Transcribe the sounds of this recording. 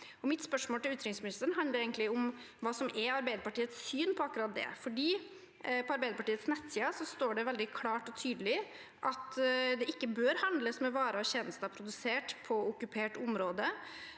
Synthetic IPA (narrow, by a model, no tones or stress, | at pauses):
ɔmɪt̪spœʂmoːlt̪ɪlʉːt̪ɾɪŋsmɪnɪst̪əɳ̩ɦɑnləɾɛɪɡənlɪʊm | ʋɑːsɔmɛɑɾbæɪd̪əpɑʈiːət̪sːyːnpʰɔɑkːɾɑt̪̚d̪ɛ̰fɔɖiː | pʰɔɑɾbæɪd̪əpʰɑʈiːət̪snɛt̪ːsiːɑsɔst̪oːɖɛʋɛld̪ɪkʰlɑːʈɔt̪ʰyːd̪lɪ | ʔɑt̪d̪ɛʔɪkːəbøːɾhɑnd̪ləsmɛʋɑːɾəɔçɛnəst̪ɑpʰɾʊd̪ʉseːʈpʰɔʊkʉpʰeːʈʊmɾoːd̪ə